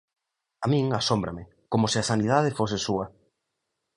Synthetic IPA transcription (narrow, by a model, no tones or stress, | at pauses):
amĩŋasombɾamɪ | komosɪasanið̞aðɪfosɪsuɐ